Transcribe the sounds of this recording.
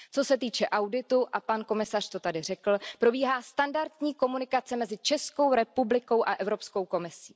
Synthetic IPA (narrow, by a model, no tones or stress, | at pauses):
t͡so̞sɛt̪iːt͡ʃɛʔawdɪt̪uʔapanko̞mɪsar̥t̪o̞t̪adɪr̝ɛkl̩pɾo̞biːɦaːst̪andaɾt̪ɲiːko̞munɪkat͡sɛmɛzɪt͡ʃɛsko̞wɾɛpublɪko̞wʔaʔɛvɾo̞psko̞wko̞mɪsi̥ː